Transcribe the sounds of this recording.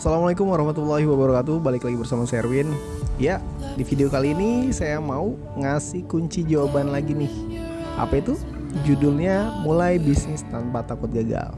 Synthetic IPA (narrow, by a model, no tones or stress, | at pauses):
asalamalekʊmwaɾɑhmat̪ulːahiwabəɾakat̪ubalɪklaɡibərsamasɛrwɪnja | difideokaliːnisajamau | ŋasɪhkuɲt͡ʃid͡ʒawabanlaɡinɪh | ʔa̰pait̪u | d͡ʒudʊlɲamulajbisnɪst̪anpat̪akʊt̪̚ɡaɡa̰l